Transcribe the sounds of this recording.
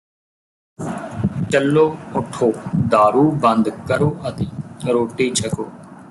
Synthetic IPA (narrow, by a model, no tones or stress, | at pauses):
t͡ʃəlːoːʊʈʰːoːd̪aːɾuːbə̃nd̪kəɾoːʔət̪iːɾoːʈiːt͡ʃʰəkoː